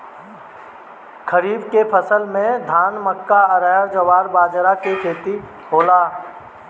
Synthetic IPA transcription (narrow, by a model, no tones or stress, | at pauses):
kʰəɾiːbkepʰəsəlmẽd̪ʱaːnməkːaəɾəɦəɾd͡ʒəwaːɾbaːd͡ʒɾakekʰeːt̪i | ɦoːlaː